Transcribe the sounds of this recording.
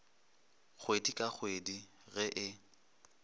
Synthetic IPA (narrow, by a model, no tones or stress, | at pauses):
k͡xʰwedikʼaχʰwedi | ɣɛʔɪ